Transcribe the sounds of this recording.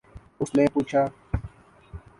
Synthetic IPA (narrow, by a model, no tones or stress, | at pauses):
ʊsnẽːpuːt͡ʃʰaː